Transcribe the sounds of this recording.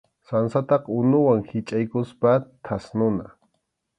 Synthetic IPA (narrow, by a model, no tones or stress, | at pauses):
sansat̪ɑqʊnʊwaŋhɪt͡ʃʼajkʊspat̪ʰasnʊna